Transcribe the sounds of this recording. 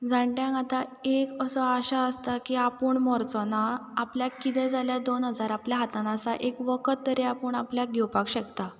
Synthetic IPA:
d͡zʱãɳʈjãŋat̪aekəsɔaɕaəst̪akiapəɳmɔɾt͡sɔnaapljakit̪ɛ̃d͡zʱaljad̪onɦəd͡zaɾapljaɦat̪anasaʔekʋəkʰət̪ːəɾeapəɳapljaɡʱɛwpakɕɛkt̪a

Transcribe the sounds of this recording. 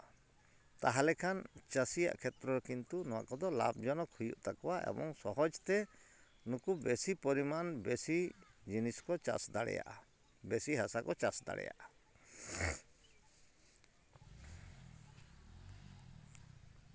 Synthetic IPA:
t̪aɦalɛkʰant͡ʃasija̰ʔkʰɛt̪ɾɔkint̪unɔwa̰kɔd̪ɔla̰bd͡ʒɔnɔkʰujṵʔt̪akɔwaʔɛ̰bɔŋsɔɦɔd͡ʒt̪ɛ | nukubesipɔɾimanbesid͡ʒiniskɔt͡ʃa̰sd̪aɽɛ̰ja̰ʔa | besiɦasakɔt͡ʃasd̪a̰ɽɛ̰ja̰ʔa

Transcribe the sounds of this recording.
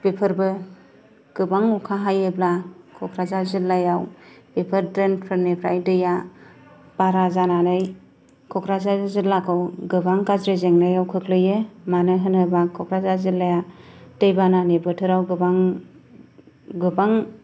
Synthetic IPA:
pepʰɯɾbɯ | ɡ̥ɯbaŋukʰaɦajeblakʰɔkʰɾazazɯlːajawpepʰɯɾdɾenpʰɯɾnepʰɾa̰jdɯja | b̥aɾazananɯj | kʰɔkʰɾazazzɯlakʰɯwɡɯbaŋkazɾezeŋnajawkʰɯklɯjɯmanɯɦɯnɯbakʰɔkʰɾazazɯlːajatejbananebɯtʰɯɾawɡɯbaŋ | ɡɯbaŋ

